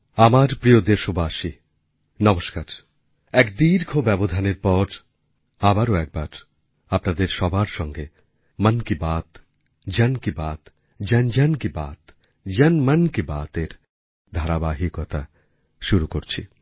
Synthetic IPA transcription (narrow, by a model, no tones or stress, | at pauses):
amaɾpɾijod̪eʃobaʃi | nɔmoʃkaɾ | ɛkd̪iɾkʰobɛbod̪ʱaneɾpɔɾ | abaɾoɛk̚baɾ | apnad̪eɾʃɔbʱaɾʃɔŋɡe | mənkibat̪ | d͡ʑɛnkibat̪ | d͡ʑɛnd͡ʑɛnkiba̰t̪ | d͡ʑɛnmənkibat̪eɾ | d̪ʱaɾabaɦikɔt̪a | ʃuɾukoɾt͡ɕʰḭ